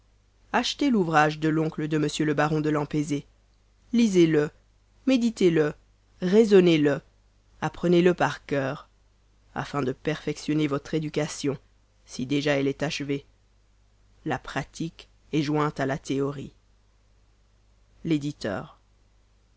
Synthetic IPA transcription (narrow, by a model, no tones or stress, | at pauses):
aʃt̪eluvʁaʒd̪əlɔ̃kləd̪əməsjøləbaʁɔ̃d̪əlɑ̃peze | lizelə | med̪it̪elə | ʁezɔnelə | apχəneləpaʁkʲœːʁ | a̰fɛ̃d̪əpɛʁfɛksjɔnevɔt̪χed̪ykasjɔ̃ | sid̪eʒaɛlɛt̪aʃəve | lapχat̪ʰik | ɛʒwɛ̃t̪alat̪eɔʁi | led̪it̪œ̰ːʁ